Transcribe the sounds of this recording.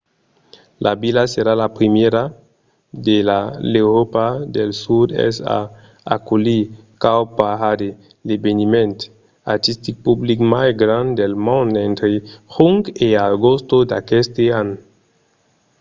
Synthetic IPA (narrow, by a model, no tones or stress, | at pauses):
lʔabilaseɾalapɾimjeɾa | d̪elalewɾopad̪elsud̪ḛsa̰ | akulikawpaɦade | lebenimẽnt̪ | aɾt̪ist̪ik̚publikmajɡɾãnd̪d̪elmõnd̪ent̪ɾehuŋɡeaɡostod̪akest̪eano